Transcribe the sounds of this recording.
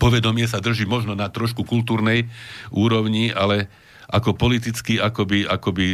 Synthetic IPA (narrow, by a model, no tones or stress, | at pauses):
pɔʋɛd̪ɔmɪɛsad̪r̩ʒimɔʒnɔnat̪ɾɔʃkukult̪uːɾnɛjʔuːɾɔʊɲialɛ | ʔakɔpɔlit̪it͡skiakɔbiʔakɔbi